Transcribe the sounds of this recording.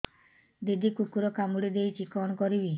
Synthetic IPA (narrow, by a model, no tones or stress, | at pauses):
d̪id̪ʱikukuɾɔkamuɽid̪ejt͡ʃʰikɔnkɔɾibi